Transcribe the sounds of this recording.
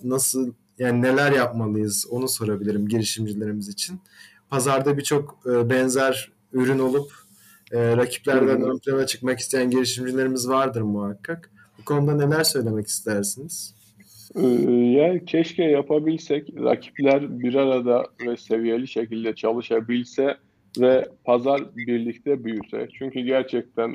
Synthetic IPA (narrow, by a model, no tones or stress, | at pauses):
nasɯlˠ | jaːnine̞lʲæɾjap̚malˠɯjɯzo̞nuso̞ɾabilʲiɾimɟeɾiʃimd͡ʒilʲe̞ɾimizit͡ʃʰin | pʰazaɾd̪abit͡ʃʰo̞kɯːbɛnzæɾ | yɾyno̞lˠupː | ɾacʰi̥plʲæɾd̪ænømpʰlʲenat͡ʃʰɯ̥kmakist̪ʰejænɟeɾiʃimd͡ʒilʲe̞ɾimizvaɾd̪ɯɾmuhakʰːak | bukʰo̞nud̪ane̞lʲæɾsø̞jlʲe̞mɛci̥st̪ʰeæɾsiniz̥ | jæɾcʰɛʃcɛjapʰabilʲsɛcɾa̰cʰi̥plʲæɾbiɾaɾad̪avɛse̞vije̞lʲiʃe̞cilʲd̪ɛt͡ʃʰalˠɯʃabilʲsɛ | vɛpʰazaɾbiɾlʲic̚t̪ʰɛbyjysɛ̰t͡ʃʰyɲcyɟæɾt͡ʃʰɛc̚t̪ʰæn